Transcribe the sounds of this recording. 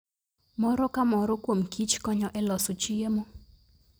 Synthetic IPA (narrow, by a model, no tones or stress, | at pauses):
mɔɾɔkamɔɾɔkwomkʰit͡ʃkɔɲɔʔɛlɔsot͡ʃiemo